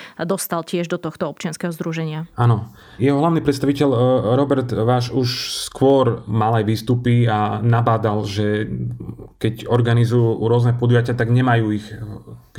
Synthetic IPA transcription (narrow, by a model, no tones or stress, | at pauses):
d̪ɔst̪alcɪɛʒd̪ɔt̪ɔxt̪ɔɔp̚t͡ʃɪanskɛɦɔzd̪ɾuʒɛɲɪaaːnɔ | jɛɦɔɦlaʊnipɾɛt̪st̪aʋicɛʎɾɔbɛɾt̪ʋaːʃuʃskʋʊɔɾmalajʋiːst̪upianabaːd̪alʒɛ | kɛɟɔɾɡanizujuɾʊɔznɛpɔd̪ujacɪat̪aɡɲɛmajuːix